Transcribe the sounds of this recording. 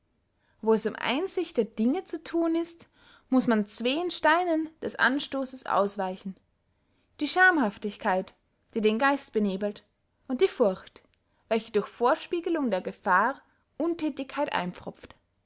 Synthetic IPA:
voːɛsʊmʔa̰ɪnzɪçt̚d̥eːɐdɪŋət͡sutʰuːnɪst | mʊsmant͡sv̥eːnʃtaɪnənd̥ɛsʔa̰nʃtoːsəsʔa̰ʊsv̥aɪçn̩ | d̥iːʃaɐmhaftɪçkʰaɪt | d̥iːdeːnɡaɪst̚b̥əneːbl̩t | ʔʊnt̚d̥iːfʊɐçt | v̥ɛlçədʊɐçfoːɐʃpiːɡəlʊŋdeːɐɡəfaː | ʔʊntʰɛːtɪçkʰaɪtʔa̰ɪnp͡fʁ̥ʊpp͡ft

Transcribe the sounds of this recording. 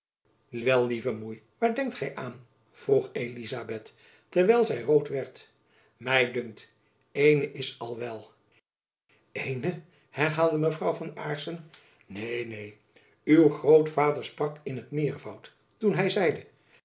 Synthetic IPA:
ʋɛlˠːivəmuj | ʋaːɹdɛŋktχɛjʔaːn | v̥ruχejlizabɛtː | ɛɹʋɛjlˠzɛjrowtʋɛɹt | mɛjdɵŋk̚t | ejnəʔɪsɑlˠʋɛlˠ | ejnə | hɛɹɦaːlˠdəməvrɑwvɑnaːɹsən | nejnej | ywχrowtfaːdəɹsprɑkɪnɦətmɪːɹvɑwt | tunɦɛjzɛjdə

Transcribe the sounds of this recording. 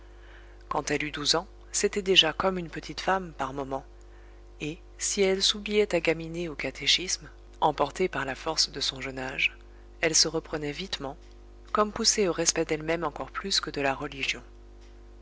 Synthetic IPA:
kɑ̃t̪ɛlyd̪uzɑ̃ | set̪ɛd̪eʒakɔmynpət̪ʰit̪fampaʁmɔmɑ̃ | e | siɛlsublijɛt̪aɡʲamineokat̪ʰeʃism | ɑ̃pɔʁt̪epaʁlafɔʁsd̪əsɔ̃ʒənaʒ | ɛlsəʁəpχənɛvit̪mɑ̃ | kɔmpuseoʁɛspɛd̪ɛlmɛmɑ̃kɔʁplyskəd̪əlaʁəliʒjɔ̃

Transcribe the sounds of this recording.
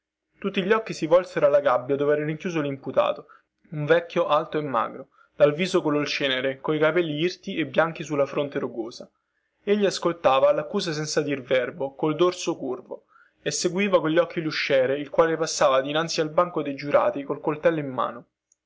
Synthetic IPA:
t̪ut̪ːiʎːɔkːisivɔlseɾoalːaɡabːjad̪oːveɛɾeɾiŋkjuːzolimput̪a̰ːt̪o | uɱvɛkːjoʔalt̪oemːa̰ːɡɾo | d̪̥alviːzokololt͡ʃɛːneɾekoikapɛlːiirt̪iebːjaŋk̟isulːafɾont̪eɾuɡoːza | eʎːiaskolt̪aːvalakːuːzas̬ɛnsad̪irvɛrbokold̪orsokurvo | esːeɡwiːvakoʎːɔkːiluʃːɛːɾeilkwaːlepasːaːvad̪inant̪sialbaŋkod̪ejd͡ʒuɾʔa̰ːt̪ikolkolt̪ɛlːoimːa̰ːno

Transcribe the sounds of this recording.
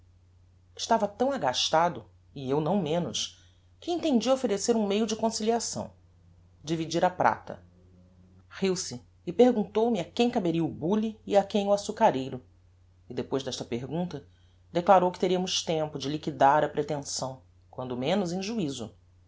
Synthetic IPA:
ɪʃt̪avɐt̪ɐ̃w̃aɡaʃt̪ad̪ʊ | ɪewnɐ̃w̃mẽnʊs | kɪẽnt̪ẽnd͡ʒiɐofeɾeseɾũmejʊd͡ʒɪkõsiliasɐ̰̃w̃ | d͡ʒivid͡ʒiɾapɾa̰t̪ɐ̰ | hiwsɪː | pehɡũnt̪owmɪakẽj̃kabeɾiɐubuliːakẽj̃ʊasukaɾejɾʊ | ɪd̪epojzd̪ɛʃt̪ɐpeɦɡũnt̪ɐ | d̪eklaɾowkɪ̥t̪eɾiɐmʊʃt̪ẽmpʊd͡ʒɪlikid̪aɾɐpɾet̪ẽsɐ̃w̃ | kwɐ̃nd̪ʊmẽnʊzẽʒuizʊ̰

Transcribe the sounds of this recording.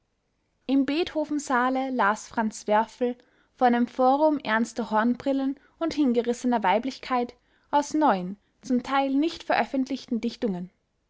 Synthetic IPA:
ʔɪmbeːthoːfn̩zaːləlaːsfʁ̥ant͡sv̥ɛɐfl̩ | fɔːɐdeːmfoːʁʊmʔɛɐnstəhɔɐnbʁ̥ɪlən | ʊnthɪnɡəʁɪsənɐvaɪplɪçkʰaɪt | ʔaʊsnɔʏən | t͡sʊmtʰaɪlnɪçtfɛɐʔœfəntʰlɪçtn̩dɪçtʊŋən

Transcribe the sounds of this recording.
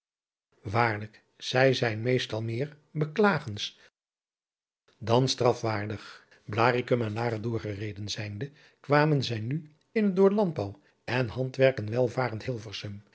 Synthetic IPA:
ʋaːɹlək | z̥ɛjzɛjnmejstɑlˠmɪːɹ | bəklaːχəns | dɑnstrɑfʋaːɹdəχ | blaːrikəmɛnlaːχədʊːɹχərejdənzɛjndə | kʋaːmənzɛjny | ɪnət̚dʊːɹlɑnd̚bɑw | ɛnɦɑntʋɛɹkənʋɛlˠvaːɾəntɦɪlˠvəɹsəm

